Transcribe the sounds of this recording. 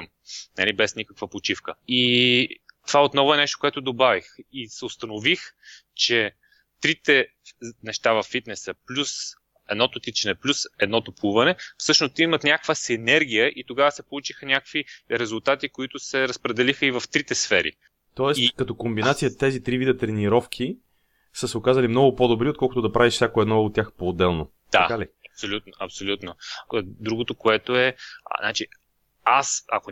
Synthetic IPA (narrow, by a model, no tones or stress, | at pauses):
m | nɐ̰libɛsnʲikəkvəpot͡ʃifkəi | t̪ovaot̪nɔvʊɛnɛʃt̪okoɛt̪ʊd̪obavixisɛʊst̪ɐnovixt͡ʃɛ | t̪ɾit̪ɛ | nɛʃt̪avɐfːit̪nɛsəplʲus | ɛd̪nɔt̪ot̪it͡ʃɛnɛplʲusɛd̪nɔt̪opuvɐnɛfsɤʃnʊst̪imɐt̪nʲakvəsinɛɾɡ̟ʲijəʔit̪oɡavəsɛpolˠut͡ʃixənʲakəkviɾɛzʊlˠt̪at̪ikoit̪ʊsɛɾəspɾɛd̪ɛlixəivɐft̪ɾit̪ɛsfɛɾḭ | t̪ɔɛstikɐt̪ɔkombinat̪sijət̪ɛzit̪ɾivid̪ət̪ɾɛniɾɔfkʰi | səsɛokazɐlimnɔɡʊpod̪obɾiot̪̚kɔlˠkʊt̪od̪ɐpɾaviʃfsʲjakoɛd̪nɔot̪ːʲjaxpoːd̪ɛlˠno | d̪̥a̰kaliɐpsolʲut̪noʔɐpsolʲut̪nod̪ɾuɡot̪okoɛt̪oɛnat͡ʃi | asɐ̰ko